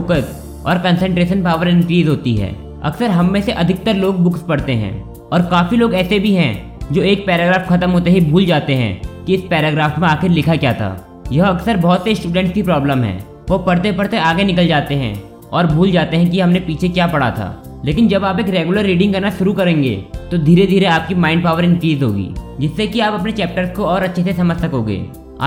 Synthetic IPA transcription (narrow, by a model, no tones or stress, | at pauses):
ʊkət̪ | ɔ̰ːɾkə̃nsə̃ɳʈɾeːʃənpaːʋəɾɪ̃ɳʈɾiːzɦoːt̪iɦɛ̰ː | ɐ̰ksəɾɦɐmːẽseʔɐd̪ʱɪk̚t̪əɾloːɡ̚bʊkspɐɽt̪eɦɛ̰̃ː | ɔːɾkaːfiloːɡɛːsebʱiɦɛ̃ | d͡ʒoːeːk̚pɛːɾaːɡɾaːfxɐt̪əmɦoːt̪eɦibʱuːld͡ʒaːt̪eɦɛ̰̃kiɪspɛːɾaɡɾaːfmẽaːxɪɾlɪkʰakjaːt̪ʰa̰ː | jɐɦɐksəɾbɔɦʊt̪sesʈuːɖɛ̃ɳʈskipɾɔːbləmɦɛ̰̃ː | ʋoːpɐɽt̪̬epɐɽt̪eaːɡenɪkəld͡ʒaːt̪eɦɛ̰̃ | ɔːɾbʱuːld͡ʒaːt̪eɦɛ̃k̬iɦɐmnepiːt͡ʃʰekjaːpɐɽ̤a̰t̪ʰa̰ːleːkɪnd͡ʒɐbaːpeːkɾeːɡuləɾːiːɖɪ̃ŋkɐɾnaʃʊɾukɐɾẽːŋɡḛt̪od̪ʱiːɾed̪ʱiːɾeaːp̚kimãːɪ̃ɳɖ̚paːʋəɾɪ̃nkliːzɦo̰ːɡḭːd͡ʒɪsːekiaːpɐpnet͡ʃɛːp̚ʈəɾskoɔːɾɐtːʃʰesesɐməd͡ʒsɐkoːɡḛː | a̰ː